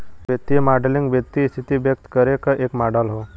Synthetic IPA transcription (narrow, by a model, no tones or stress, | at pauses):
ʋjət̪imaɖliŋɡʋjək̚t̪ist̪ʰit̪iːbjək̚t̪kəɾekəʔekmaɖalɦo